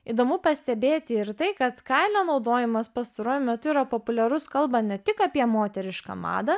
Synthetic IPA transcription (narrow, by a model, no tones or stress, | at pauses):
iːd̪oːmʊpɐsʲt̪ʲɛbʲeːt̪ʲɪɪɾt̪ɐɪkɐt̪kɐɪlʲoːnɒʊd̪oːjɪmɐspɐst̪ɐɾoːjʊmʲɛt̪ʊiːɾɐpoːpʊlʲɛɾʊskɐlˠbɐnʲɛt̪ʲɪkɑpʲiɛmoːt̪ʲɛɾʲɪʃkɐ̰mɑ̰ːd̪ɐ